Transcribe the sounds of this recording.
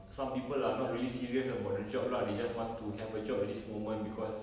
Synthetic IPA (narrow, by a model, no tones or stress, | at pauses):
sãmpipəlanɔt̚ɹilisiɹiəsəbɔdəd͡ʒɔp̚laded͡ʒaswɔ̃ntuɦɛvəd͡ʒɔp̚idismomə̃nbikʰɔs